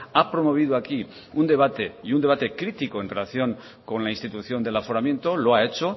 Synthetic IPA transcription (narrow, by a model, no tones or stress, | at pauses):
apɾo̞mo̞β̞iðuaki | und̪e̞β̞at̪e̞iund̪e̞β̞at̪e̞kɾit̪ikoe̞nrelaθjo̞ŋ | ko̞nlainst̪it̪uθjo̞nd̪e̞lafoɾamje̞nt̪o̞loae̞t͡ʃo̞